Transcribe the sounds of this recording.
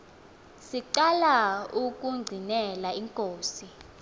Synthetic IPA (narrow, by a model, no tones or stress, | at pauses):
siǃalauk̬ʼuŋ͡ǀʱinɛlaiŋkʼoːsi